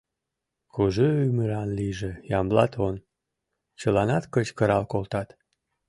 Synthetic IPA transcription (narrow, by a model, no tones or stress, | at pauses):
kuʒøyməɾɑnliʒejɑmblɑt̪ʰon | t͡ɕəlɑnɑt̪kət͡ɕkəɾɑlkolt̪ɑt̪